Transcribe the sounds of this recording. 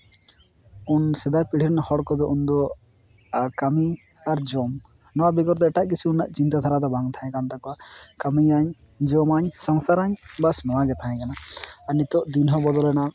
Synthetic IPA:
unsɛd̪apiɽ̤iɾnahɔɽkɔd̪ɔʔund̪ɔ | kami | aɾd͡ʒɔm | nɔwabiɡɔɾd̪ɔɛʈaʔk̬it͡ʃʰiunaʔt͡ʃint̪at̪ʰaɾad̪ɔbaŋt̪ʰãɛ̃kant̪akɔakamiaɲ | d͡ʒɔmaɲsɔŋsaɾaɲbasnɔwaɡɛt̪ʰaɦɛ̃kanaanit̪ɔʔd̪inɦɔbɔd̪ɔlɛna

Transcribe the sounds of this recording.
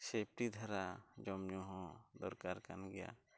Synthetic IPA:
sep̚ʈid̪ʱaɾad͡ʒɔmɲɔɦɔ̃d̪ɔɾkaɾkanɡɛja̰

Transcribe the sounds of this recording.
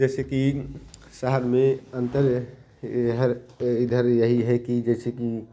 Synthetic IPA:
d͡ʒɛseki | səɦəɾmeənt̪əɾ | ɦəɾid̪ʱəɾjəɦiɦɛkid͡ʒɛseki

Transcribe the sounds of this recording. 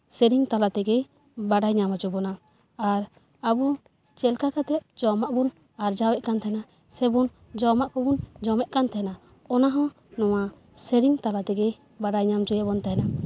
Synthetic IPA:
sɛɾiŋt̪alat̪ɛɡɛj | baɖajɲamad͡ʒɔbɔnaː | ɾ | abu | t͡ʃɛlkakat̪ɛt̪̚d͡ʒɔmaʔbun | aɾd͡ʒawɛʔkant̪ʰaɦɛna | sɛbun | d͡ʒɔmaʔkɔbund͡ʒɔmɛʔkant̪aɛna | ɔnaɦɔ̃ | nɔwa | sɛɾiŋt̪alat̪ɛɡɛj | baɖajɲamd͡ʒɔjɛbɔnt̪aɦɛna

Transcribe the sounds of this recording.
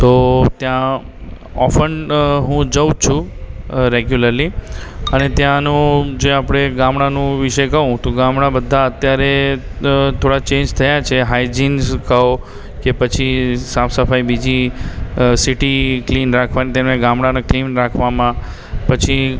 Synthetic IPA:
t̪ot̪jã | ɔ̰fəɳɖɦũd͡ʒəwt͡ʃʰũ | ɾeɡjuləɾliənet̪jãnũd͡ʒeapɽ̃eɡãmɽanũʋɪʃəjkəʋũt̪oɡãmɽ̃abəd̪ʱːaət̪jaɾe | t̪ʰoɽat͡ʃẽɲd͡ʒt̪ʰəjat͡ʃʰeɦajd͡ʒinzkəo | kepət͡ʃʰisãfsəfaibid͡ʒi | siʈiklinɾakʰʋanit̪emẽɡãmɽ̃aneklinɾakʰʋamã | pət͡ʃʰi

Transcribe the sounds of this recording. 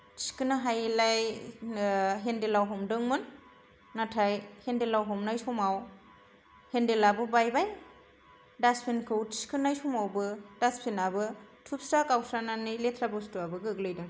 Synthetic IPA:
tʰi̥skɯnaɦajlaj | ɦendelawɦɔmdɯŋmɯnː | atʰajhendelawɦɔmnajsɔmaw | hendelabɯbajbaj | daspʰenkʰɯwtʰi̥skʰɯnajsɔmawbɯd̥aspʰenabɯtʰup̚stakawsananijletʰɾabɯstuabɯɡɯːɡlɯjdɯŋ

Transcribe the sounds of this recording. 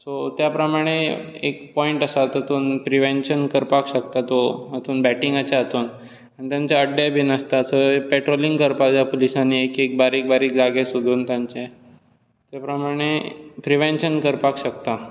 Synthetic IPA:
sot̪japɾəmaɽ̃e | ḛkpɔiɳʈəsat̪ət̪uːnpɾiʋenɕənkəɾpakɕəkt̪at̪oət̪uːnbæʈĩŋɡat͡ɕaət̪uːn | aɽ̃it̪jãɲt͡ɕaəɖabʱinəst̪asəpeʈɾolĩŋɡkəɾpad͡ʑjapolisaniekek̚baɾiːk̚baɾiːkd͡zaɡesud̪ʱuːnt̪jãɲt͡ɕe | t̪epɾəmaɽ̃epɾiʋenɕənkəɾpakɕəkt̪a

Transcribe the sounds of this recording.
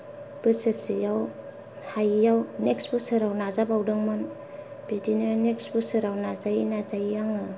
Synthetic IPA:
b̥ɯsɯsijaw | hajijawneksbɯsɯɾawnazabawdɯŋman | bidinɯneksbɯsɯɾawnazajinazajijaŋɯ

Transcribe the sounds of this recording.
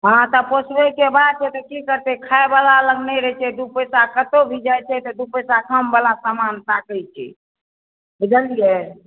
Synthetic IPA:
ɦãt̪ɔposbekebad̪t͡ʃʰɛt̪ɔkikəɾt̪ɛkʰaebalaləɡnɛɾɛt͡ʃʰɛd̪upəsakət̪obʱid͡ʒajt͡ʃʰɛt̪ɔd̪upəsakʰəmbalasamant̪akəjt͡ʃʰɛ̰ | bid͡ʒəlije

